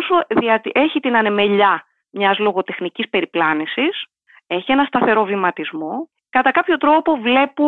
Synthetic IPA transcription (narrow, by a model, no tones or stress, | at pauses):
osoðiɐt̪iʔe̞çit̪inɐne̞me̞ʎɐ | mɲɐzlo̞ɣo̞t̪e̞xnicispe̞ɾiplɐnisis | e̞çie̞nɐst̪ɐθe̞ɾo̞vimɐt̪izmo̞ | kɐt̪ɐkɐpço̞t̪ɾo̞po̞vle̞pu